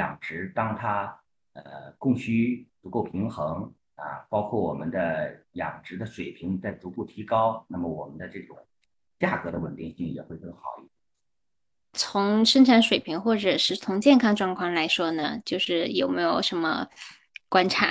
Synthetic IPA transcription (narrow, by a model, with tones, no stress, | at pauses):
jɑ̰˨˩ŋʈ͡ʂɻ̩˧˥t̪ɑ˥ŋt̪ʰa˥ | ə̰˧kʊ˥˩ŋɕy˥t͡su˧˥ko˥˩ʊpʰi˧˥ŋxɤ˧˥ŋ | ə̰˧pɑ˥ʊkʰwɔ˥˩wɔ̰˨˩mə̰˦nd̪ə˧jɑ̰˨˩ŋʈ͡ʂɻ̩˧˥d̪ə˧ʂwe˨˩ɪpʰi˧˥ŋt͡sa˥˩ɪt͡su˧˥pu˥˩t̪ʰi˧˥kɑ˥ʊna˥˩mə˩wɔ˨˩mə˦nd̪ə˧ʈ͡ʂɤ˥˩ʈ͡ʂʊ˨˩ŋ | t͡ɕja˥˩kɤ˧˥d̪ə˧wə˨˩nt̪i˥˧ŋɕi˥˩ŋjɛ̰˨˩xwe˥˧ɪkɤ˥˩ŋxɑ˨˧˩ʊi˥˩t̪ | t͡sʰʊ˧˥ŋʂə˥ŋʈ͡ʂʰa˧˥nʂwe˨˩ɪpʰi˧˥ŋxwɔ˥˩ʈ͡ʂɤ˨˩ʂɻ̩˥˩t͡sʰʊ˧˥ŋt͡ɕjɛ˥˩nkʰɑ˥ŋʈ͡ʂwɑ˥˧ŋkʰwɑ˥˩ŋla˧˥ɪʂwɔ˥nə˨t͡ɕjo˥˧ʊʂɻ̩˥˩jo˨˩ʊme˧˥ɪjo˨˩ʊʂə˧˥nmə̰˧ | kwa˥nʈ͡ʂʰa̰˧˥